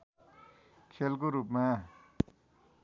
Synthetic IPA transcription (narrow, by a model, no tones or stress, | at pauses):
kʰelkoɾupma